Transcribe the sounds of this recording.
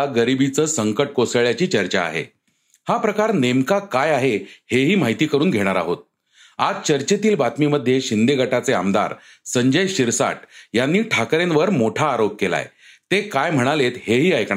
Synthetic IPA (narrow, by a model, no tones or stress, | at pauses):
ɡəɾibit͡səːsəŋkəʈ̚kosəɭjat͡ɕiːt͡ɕəɾt͡ɕaa̰ɦḛ | hapɾəkaɾnemkakajaɦeheɦiːm̤aɦit̪iːkəɾuːnɡʱeɽ̃aɾa̰ɦot̪̚ | ad͡zt͡ɕəɾt͡ɕet̪iːlbat̪miːməd̪ʱːjeɕind̪eɡʱəʈat͡sea̰md̪a̰ɾ | səɲd͡ʑəjɕiɾsa̰ʈjanːiːʈʰakɾenʋəɾmoʈʰaːɾop̚kela̰ḛ | t̪ekajm̤əɽ̃alet̪heɦiːajkɳa